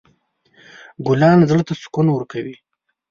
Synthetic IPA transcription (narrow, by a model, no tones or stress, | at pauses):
ɡʊlɑnzəɭt̪asʊ̥kunawəɾkawi